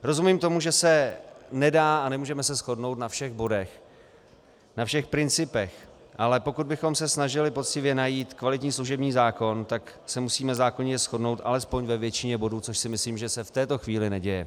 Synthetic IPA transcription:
ɾo̞zumiːmt̪o̞muʒɛsɛnɛdaːʔanɛmuːʒɛmɛsɛsxo̞dno̞wt̪nafʃɛɣbo̞dɛx | nafʃɛxpɾɪnt͡sɪpɛx | ʔalɛpo̞kud̪̚bɪxo̞msɛsnaʒɪlɪpo̞t͡scɪvjɛnajiːt̪kvalɪt̪ɲiːsluʒɛbɲiːzaːko̞nt̪ak | sɛmusiːmɛzaːko̞ɲɛsxo̞dno̞wt̪ʔa̰lɛspo̞ɲvɛvjɛt͡ʃɪɲɛbo̞duːt͡so̞ʃsɪmɪsliːmʒɛsɛft̪ɛːt̪o̞xviːlɪnɛɟɛjɛ

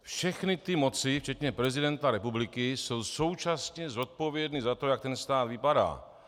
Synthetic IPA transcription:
fʃɛxnɪt̪ɪmo̞t͡sɪft͡ʃɛt̪ɲɛpɾɛzɪdɛnt̪aɾɛpublɪkɪso̞wso̞wt͡ʃasɲɛzo̞t̪̚po̞vjɛdnizat̪o̞jak̚t̪ɛnst̪aːt̪vɪpada̰ː

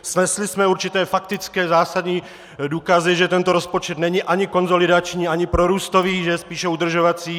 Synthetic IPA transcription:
snɛslɪsmɛuɾt͡ʃit̪ɛːfakt̪ɪt͡skɛːzaːsad̪ɲiː | d̪uːkazɪʒɛt̪ɛnt̪oɾɔspot͡ʃɛd̪nɛɲiʔaɲɪkonzolɪdat͡ʃɲiːaɲipɾoɾuːst̪oviːʒɛspiːʃɛud̪r̩ʒɔʋat͡siː

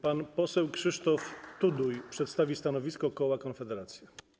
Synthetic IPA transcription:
panpɔsɛwkʂɘʂt̪ɔft̪ud̪ujpʂɛt̪st̪avʲist̪anɔvʲiskɔkɔwakɔnfɛd̪ɛɾat̪sʲjɛ

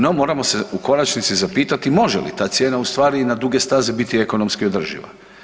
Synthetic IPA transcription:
no̞mo̞ːɾamo̞se̞uko̞nat͡ʃnit̪sizapiːt̪at̪imo̞ʒḛlḭt̪aːt̪sje̞ːnaust̪ʋaːɾinad̪uɡe̞st̪aːzebit̪ieko̞no̞mskio̞d̪r̩ʒḭʋa̰

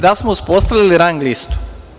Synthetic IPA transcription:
d̪asmouspost̪aʋlʲiliɾaŋɡlist̪u̥

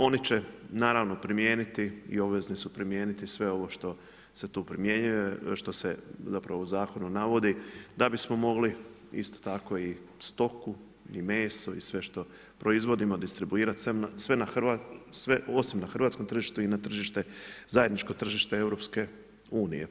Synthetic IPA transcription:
o̞nit͡ɕenaːɾaːʋno̞pɾimje̞ːnit̪iḭo̞bʋeznisupɾimjeːnit̪isʋe̞o̞ʋo̞ʃt̪o̞ | set̪uːpɾimje̞ɲujeʃt̪o̞sezapɾaʋouzaːko̞nunaʋo̞d̪id̪abismo̞mo̞ɡli | ḭst̪o̥t̪ako̞ist̪o̞ku | ime̞ːso̞isʋe̞ʃt̪o̞ | pɾo̞izʋo̞d̪imod̪ist̪ɾibuiːɾat̪semnasʋe̞naxʋasʋeo̞simnaxɾ̩ʋaːt̪skomt̪ɾr̩ʒiːʃt̪uinat̪r̩ʒiʃt̪e̞zaje̞d̪nit͡ʃko̞t̪r̩ʒiːʃt̪e̞eʋɾo̞pske̞ | uːnḭjḛ

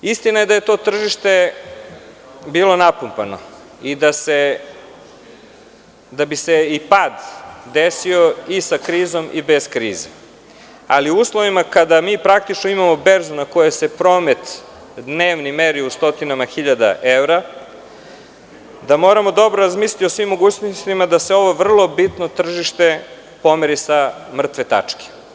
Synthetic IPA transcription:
ist̪inaje̞d̪ajet̪o̞ːt̪r̩ʒiʃt̪e̞ | biːlˠo̞napumpano̰ | id̪ase | d̪abiseipaːd̪d̪esio̞isakɾiːzo̞mʔḭbez̥kɾiːzḛ | a̰liuuːslˠo̞ʋimakad̪amiːpɾak̚t̪it͡ʃnoimamo̞beɾzunako̞jesepɾo̞ːmet̪ | d̪neːʋnimeɾiust̪o̞t̪inamaxiʎad̪a̰ʔevɾa | d̪amo̞ːɾamo̞d̪o̞bɾoɾazmiːslt̪io̞sʋimːo̞ɡuːt͡ɕnost̪imad̪aseo̞ʋo̞ʋr̩lˠo̞bit̪no̞t̪r̩ʒiʃt̪e̞ | po̞meɾisamr̩t̪ʋet̪a̰t͡ʂke̥

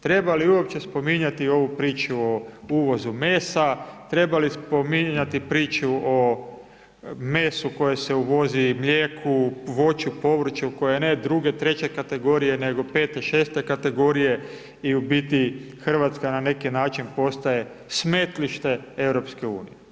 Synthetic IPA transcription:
t̪ɾe̞baliuo̞p̚t͡ɕe̞spo̞miɲat̪io̞ʋupɾiːt͡ʃuouːʋo̞zumeːsat̪ɾe̞balispo̞miɲat̪ipɾiːt͡ʃuo | meːsuko̞jese̞uʋo̞zimʎʲjeːkʰuʋo̞t͡ʃupo̞ʋɾ̩t͡ʃuuko̞jened̪ɾuɡe̞t̪ɾe̞t͡ɕe̞kat̪e̞ɡo̞ɾije̞ne̞ɡo̞peːt̪e̞ʃe̞ːst̪e̞kat̪e̞ɡo̞ːɾije̞ | iubit̪i | xr̩ʋat̪skanane̞kinaːt͡ʃinpo̞st̪aje̞ | sme̞t̪liʃt̪e̞ewɾo̞pskeṵːnije

